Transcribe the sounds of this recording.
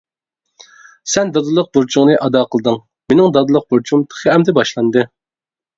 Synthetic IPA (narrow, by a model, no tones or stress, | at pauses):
sɛnd̪ɑd̪ɨlˠəq̚buɾt͡ʃʰuŋnɨʔɑd̪ɑːqʰəlˠɨd̪ɨŋ | menɪŋd̪ɑd̪ɨlˠəq̚b̥uɾt͡ʃʰumt̪ʰə̥χʰəɛmd̪ɛbɑʃlˠɑnd̪ɨ